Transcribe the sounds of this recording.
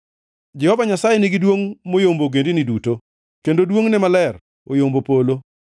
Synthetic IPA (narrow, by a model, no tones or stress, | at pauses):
d͡ʒɛhɔvaɲasajenɪɡidwoŋmojomboɡendiniduto | kendodwoŋnɛmalɛr | ojombopolo